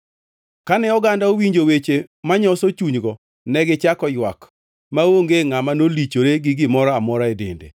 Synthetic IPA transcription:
kanɛɔɡandaowiɲd͡ʒowet͡ʃemaɲɔsot͡ʃuɲɡɔ | nɛɡɪt͡ʃakɔjwa̰k | maoŋɡeŋamanolit͡ʃoɾeɡɪɡɪmɔɾɔamɔɾaedḛndḛ

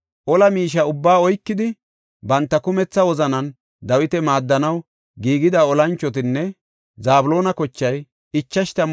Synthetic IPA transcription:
ʔɔlɐmiːʃ̬ɐʊbːaːɔjkːɪd̪ɪ | bɐnt̪ːɐkʊmɛt͡sːɐwɔzɐnɐn | d̪ɐwɪt̪ɛmaːd̪ːɐnɐw | ɡiːɡɪd̪aːɔlɐnt͡ʃːɔt̪̬ɪnːɛ | zaːbʊlo̞ːnɐkɔt͡ʃːɐj | ɪt͡ʃːɐʃt̪ɐm

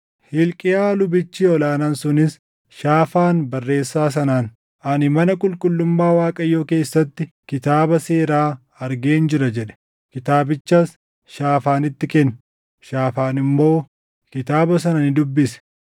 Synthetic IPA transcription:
hɪlkʼɪjaːlʊbɪt͡ʃːiːɔlaːnaːnsʊnɪs | ʃaːfaːnbɐrːe̞ːsːaːs̬ɐnaːn | ʔɐnɪmɐnɐkʼʊlkʼʊlːʊmːaːwaːkʼɐjːo̞ːke̞ːsːɐt̪ːɪ | kɪt̪aːbɐseːɾaː | ɐɾɡe̞ːnd͡ʒɪɾɐd͡ʒɛᶑɛ̥ | kɪt̪aːbɪt͡ʃːɐs | ʃaːfaːnɪt̪ːɪkɛn | ʃaːfaːnɪmːo̞ː | kɪt̪aːbɐs̬ɐnɐnɪd̪ʊbːɪsɛ̥

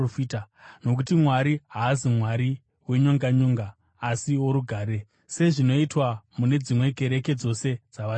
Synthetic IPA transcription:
fiːtano̞k̬utimwaɾiɦaːzimwaɾi | we̞ɲoŋɡaɲoːŋɡaː | sio̞ɾuɡʱaːɾe̞ | se̞ʐino̞itwamune̞d͡zimwe̞ɡʱe̞ɾe̞ke̞d͡zo̞se̞d͡zaʋa

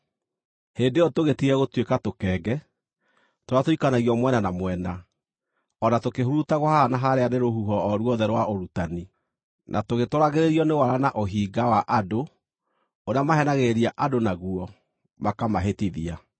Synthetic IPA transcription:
heːndeɔtoɣetiɾɛɣotwekatokɛːɡɛ | toɾatoikanaɣiɔmwɛnanamwɛna | ɔnatokeɦuɾutaɣohaanaɦaɾeaneɾohuɦɔːɾwɔðɛɾwaoɾutani | nʔa̰toɣetoɾaɣeɾeɾiɔnewaɾanaʔoɦiːɡawaʔado | oɾeamaɦɛnaɣeɾiaʔadonaɣuɔ | makamaɦetiðia

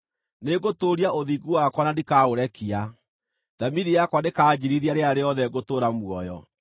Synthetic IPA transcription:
neɡotoːɾiaoðiːɡuwakwanandikaoɾɛkia | ðamiɾijakwanekaːd͡ʑiɾiðiaɾeaɾeɔðɛɡotoːɾamwɔjɔ̰

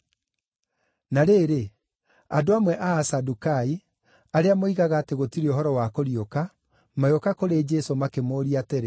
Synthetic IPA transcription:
naɾeːɾe | adoamwɛʔaːsadukai | aɾeamoiɣaɣaːteɣotiɾeoɦɔɾɔwakoɾioka | majokakoɾed͡ʒɛsomakemoːɾiateɾe

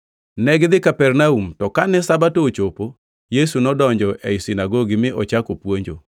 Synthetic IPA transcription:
nɛɡd̪ɪkapɛrnaumtɔkanɛsabatoːt͡ʃopo | jesunɔdɔɲd͡ʒɔʔɛisinaɡoɡimɪʔɔt͡ʃakopwoɲd͡ʒo̰

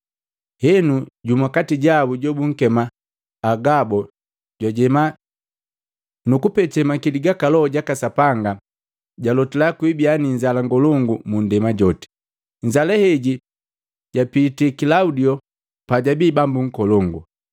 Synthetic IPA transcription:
hɛnuɟumakatiɟabuɟɔbuŋ̩kɛmaː | ɡabɔ | ɟwaɟɛma | nukupɛtɛmakiliɡakalɔɔɟakasapaŋɡa | ɟalɔtilakwibianiɲzalaŋɡɔlɔŋɡumundɛmaɟɔtɛ̥ | ɲ̩d͡ʒalɛhɛɟi | ɟapitikilaudiɔ | paɟabiːbambuŋ̩kɔlɔŋɡṵ

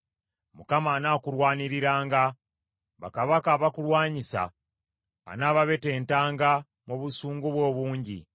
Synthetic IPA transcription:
mukamaːnaːkulwaːniɾiɾaːŋɡa | βa̰kaβakaːβakulwaːɲisa̰ː | naːβaβe̞te̞ːntaːŋɡa | moβusuːŋɡuβwo̞ːβuːɲɟḭ

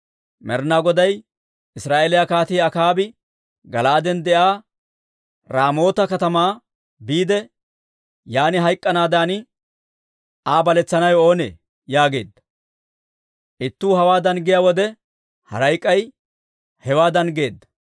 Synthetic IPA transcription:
mɛɾnaːɡɔd̪ɐj | ɪsɾaːʔelɪjakaːt̪iːɐkaːbɪ | ɡɐlaːd̪ɛnd̪ɛʔaː | ɾaːmo̞ːt̪ɐkɐt̪ɐmaː | biːd̪ɛ | jaːnɪɦɐjkʼːɐnaːd̪aːn | aːbɐlɛt͡sːɐnɐjo̞ːnḛː | jaːɡe̞̰ːd̪ːɐ̥ | ʔɪt̪ːuːɦɐwaːd̪ɐnɡɪjaːwɔd̪ɛ | hɐ̰ɾɐjkʼːɐj | hɛwaːd̪ɐnɡe̞ːd̪ːɐ̥

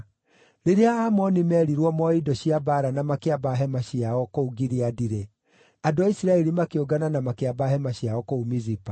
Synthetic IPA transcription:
ɾeɾeaaːmɔnimɛɾiɾwɔmɔidɔɕjabaɾanamakeabaɦɛmaɕiaɔkouɡiɾiadiɾe | adoaisiɾaɛɾimakeoɡananamakeabaɦɛmaɕiaɔkoumizipa

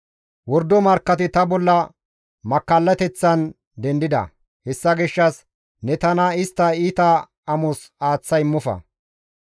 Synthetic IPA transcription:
wɔɾd̪ɔmɐɾkːɐt̪ɪt̪ɐbɔlːɐ | mɐkːɐlːɐt̪ɛt͡sːɐn | d̪ɛnd̪ɪd̪ɐ̰ | hɛsːɐɡɪʃːɐs | nɛt̪ɐnɐɪst̪ːɐiːt̪ɐ | ɐmɔsaːt͡sːɐjɪmːɔfɐ̰

